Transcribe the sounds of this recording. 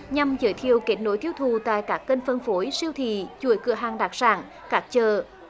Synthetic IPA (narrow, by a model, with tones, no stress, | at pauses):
ɲa˨˧mzəː˨˩jt̪ʰi˨˧˨əwke˨˦˥t̚no˨˦jt̪ʰi˧əwt̪ʰu˨˩t̪a̰ː˧˨jkaː˦˥kːə˧nfə˧nfo˨˦jsi˧əwt̪ʰḭ˧˩˨t͡ɕu˧˩əjkɨ˧˩əɦaː˨˩ŋɗaː˨˩k̚saː˧˩ŋ | kaː˦˥k̚t͡ɕəː˨˩